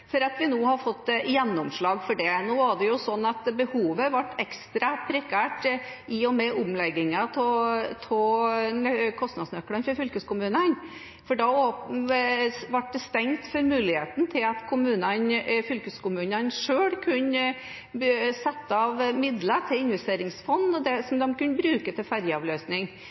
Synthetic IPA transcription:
fɔɾɑt̪ʋɪnoːhɑɾfɔt̪ːjɛnːɔmʂɭɑːɡfɔɖɛnoːæɖɛjʊsɔnːɑt̪bəhuːʋəʋɑʈːɛkst̪ɾɑpʰɾɛkʰæːʈʔɪɔmɛʔʊmlɛɡːɪŋɑt̪ʰɔt̪ʰɔ | kʰɔst̪nɑd̪snœkːɽənfɔɾfʏlkəskʊmʉːnən | fɔɖɑoː | ʋɑʈ̚d̪ɛst̪ɛŋt̪fɔɾmʉːlɪheːt̪n̩t̪ʰɪlɑt̪kʰʊmʉːnənfʏlkəskʰʊmʉːnənʂøːɽkʰʉnə | sɛt̪ːəɑʋmɪd̪lət̪ʰɪɪnʋɛst̪eːɾɪŋsfɔnːɔd̪ɛsɔmd̪ɔmkʉnːəbɾʉːkət̪ʰɪlfæɾjəɑʋløːsnɪŋ

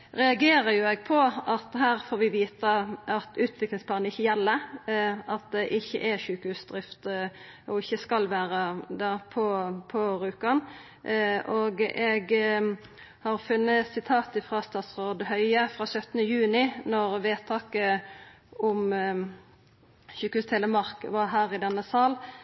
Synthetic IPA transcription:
ʁɛɑɡeːɾəɾjʊɛɡ̚pʰɔʔɑt̪hæːʁfoːɾʋɪʋiːt̪əɑt̪ʉːt̪ʰʋɪklɪŋspʰlɑːnɪçːəjɛlːəɾʔɑt̪̚d̪ɛʔɪçːə̰ʔɛçʉːkəhʉːsd̪ʁɪft̪ | ʔɔɪçːəskɑlʋæːʁəd̪ɑpʰɔpʰɔɾʉːkɑn | ʔoːɡɛɡ | hɑʁfʉnːəsɪt̪ʰɑːt̪ɪfʁɑst̪ɑːt̪sʁoːd̪hœʏəfʁɑːsœt̪ːənəjʉːnɪnɔʁʋeːt̪ʰɑːkə | ʔʊm | çʉːkəhʉːst̪ʰɛləmɑʁkʋɑɦæːʁɪd̪ɛnːəsɑːl

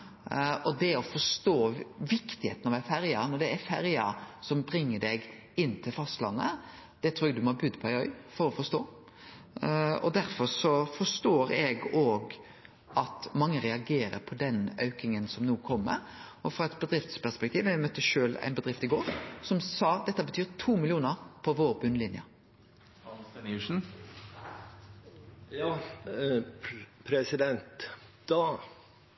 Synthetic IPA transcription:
ɔd̪ɛɔfɔʂt̪oːʋɪkt̪ɪhḛːt̪ənɑʋæfæɾjɑnɔd̪ɛæfæɾjɑ̰sɔmbɾɪŋːəd̪ɛɡ | ɪnːt̪ʰɪlfɑst̪lɑ̰nːə̰ | d̪̥ɛt̪ʰɾuːɛɡd̪ʉmɔɑbʉd̪ːpʰɔæɪœʏfɔɾɔfɔst̪oː | ɔ̰d̪æɾfɔɾsɔfɔʂt̪oːɾɛɡoːɡ | ʔɑt̪mɑŋːəɾɛɑɡeːɾə̰ɾpʰɔd̪ɛnœʉkɪŋənsɔmnuːkʰɔmːə̰ɾ | ɔfɾɑɛt̪bəd̪ɾɪft̪spæʁspɛkt̪iːʋɛmœt̪ːəʃøːlæ̰ɪnbəd̪ɾɪft̪ɪɡoːɾsɔmsɑːd̪ɛt̪ːəbət̪ʰyːɾt̪ʰuːmɪlɪuːnəɾpʰɔʋoːɾbʉnlɪnjə̰ | ɑnsɛnʉʂn̩ | jɑː | pʰɾɛsɪd̪ɛnt̪d̪̥ɑ

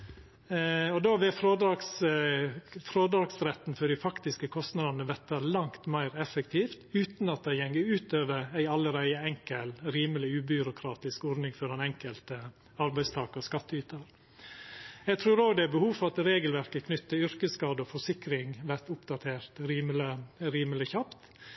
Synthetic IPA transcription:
ɔd̪oːʋɪfɾoːd̪ɑks | fɾoːd̪ɾɑːɡsɾɛt̪ːn̩fɔɖɪfɑkt̪ɪskəkʰɔst̪nɑd̪ɑnəʋɛt̪ːəlɑŋt̪mæɪɾɛfəkt̪ʰiːft̪ʉːt̪nɑt̪̚d̪æɪjɛŋəɾʉːt̪øːʋəɾæɪɑlːəɾæɪəɛŋkəlɾiːməlɪʉːbʏɾʊkʰɾɑːt̪ɪskɔɾnɪŋfɔɾɛnɛŋkəlt̪ə | ɑɾbæɪst̪ʰɑːkəskɑt̪ːəyːt̪əɾ | jɛɡt̪ʰɾʉːɾoːɡd̪ɛæbəhuːfɔɾɑt̪ɾeːɡəlʋæɾkəkʰnʏt̪ːəʏɾkəskɑːd̪əɔfɔʂɪkɾɪŋʋæɾt̪ʊpd̪ɑt̪ʰeːɾt̪ɾiːmləɾiːməlɪçɑpt̪

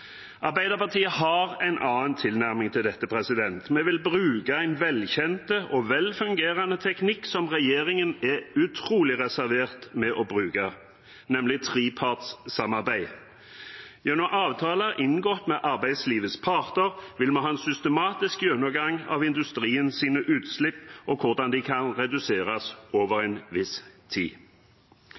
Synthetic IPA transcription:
ʔɑɾbæɪd̪əpɑʁt̪ʰiːəhɑʁæɪnʔɑːənt̪ʰɪlnæʁmɪŋt̪ʰɪld̪ɛt̪ːəpʰɾɛsɪd̪ɛnt̪mɛʋɪlbʁʉːkəæɪnʋɛlçɛnt̪əʔɔʋɛlfʉŋɡeːʁɑnət̪ʰɛknɪksɔmʁɛjeːɾɪŋənɛʉt̪ʰɾuːlɪʁɛsæɾʋeːʁt̪mɛʔɔbʁʉːkɑ | nɛmlɪt̪ʰʁiːpʰɑt̪ssɑmɑʁbæɪ | jɛnɔmʔɑːʋt̪ʰɑːləæʔɪnɡɔt̪mɛʔɑʁbæɪd̪sliːʋəspʰɑʁt̪əʁʋɪlmɑnɦɑɛnsʏst̪əmɑːt̪ɪskjʉnəɡɑŋɑ̰ʋɪnd̪ʉst̪ʁiːənsiːnəʔʉːt̪slɪpːʔɔkʰʊʁd̪ɑnd̪ɪkʰɑnʁɛd̪ʉseːʁɑsoːʋəʁɛnʋɪst̪ʰḭː

